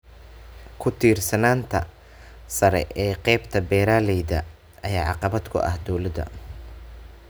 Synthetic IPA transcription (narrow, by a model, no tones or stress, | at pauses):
kʰʊt̪ʰiːrsɐnaːnt̪ʰɐ | sɐɾɛ̰ʔɛːqɛjbt̪ʰɐbɛːɾaːlɛjðɐ | ɐjaːʕɑqɑβɐd̪kʰʊ̰ʔɐ̰hd̪ɔwlɐd̪ɐ̰